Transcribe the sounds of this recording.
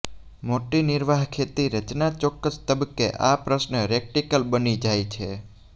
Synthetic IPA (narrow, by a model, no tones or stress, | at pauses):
moʈinɪɾʋaɦkʰet̪iɾət͡ʃnat͡ʃɔkːəst̪əbəkːḛʔapɾəsnəɾek̚ʈikəlbənid͡ʒajt͡ʃʰe